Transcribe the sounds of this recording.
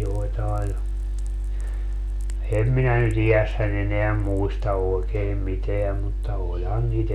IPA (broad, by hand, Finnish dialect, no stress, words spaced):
joetɑe jɑ em minæ nyt ijæsːæn eneæ muistɑ oekeːm miteæm mutːɑ olʲhɑn niːt